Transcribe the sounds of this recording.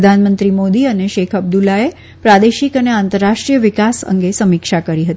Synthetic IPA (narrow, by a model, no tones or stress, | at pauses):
d̪ʱanmənt̪ɾimod̪iəneʃekʰəb̚d̪ulae | pɾad̪eʃikəneant̪əɾːaʂʈɾijəʋikasə̰ŋɡesəmikʃakəɾiɦət̪i